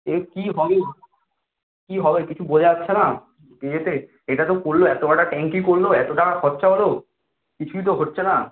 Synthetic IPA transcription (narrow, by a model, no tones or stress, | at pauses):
ekiɦɔbe | kiɦɔbekit͡ɕʰubod͡ʑeatːɕʰena | kejet̪e | eʈat̪okoɾloɛt̪obaʈaʈɛŋkikoɾloɛt̪oʈakʰɔtːʃʰaɦolo | kit͡ɕʰuit̪oɦotːɕʰena